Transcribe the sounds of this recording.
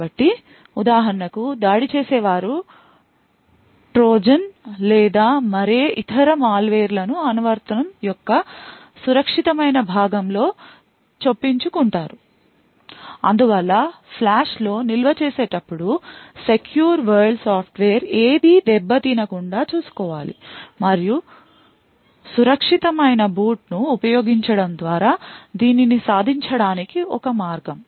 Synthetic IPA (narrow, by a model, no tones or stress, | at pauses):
bɐʈːi | ud̪aːɦɐɾɐɳɐkud̪aːɽit͡ʃeːsɛːʋaːɾu | ʈɾoːd͡ʒɐnlɛːd̪aːmɐɾeːʔit̪ʰɐɾɐmaːlʋeːɾlɐnuɐnɐʋɐɾt̪ɐnɐmjɔkːɐ | suɾɐkʂit̪ɐmɐjnɐbʱaːɡɐmlo̞ː | t͡ʃepːiɲt͡ʃukuɳʈaːɾu | ɐ̰nd̪uʋɐlːɐpʰlaːʂlo̞ːnilʋɐt͡ʃeːseːʈɐpːuɽuse̞kjuːɾʋɐɾɖsaːpʰʈʋeːɐɾeːd̪id̪ɛbːɐd̪inɐkuɳɖaːt͡ʃuːsu̥kɔːʋaːlḭmɐɾiju | suɾɐkʂit̪ɐmɐjnɐbuːʈnuːpɐjo̞ːɡiɲt͡ʃɐɽɐmd̪ʋaːɾaːd̪iːninisaːd̪ʱiɲt͡ʃɐɽaːnikiʔɔkɐmaːɾɡɐm